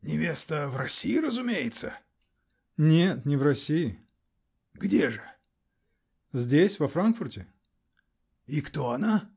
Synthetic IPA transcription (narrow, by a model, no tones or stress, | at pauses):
nʲɪvʲest̪əvrɐsʲijɪɾəzʊmʲejɪt̪sə | nʲet̪nʲɪvrɐsʲijɪ | ɡdʲeʐɨ | zʲdʲesʲvɐfɾankfʊrtʲɪ | ikt̪oɐna